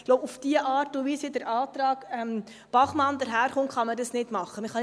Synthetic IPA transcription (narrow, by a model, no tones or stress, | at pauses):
loʊbufd̥iəʔɑːɾtuʋiːsədəɾɑːt̪ɾɑːɡɛm | b̥ɑχmɑnd̪əɾɦæːɾχʊntχɑmədəsnɪdmɑχːəməχɑ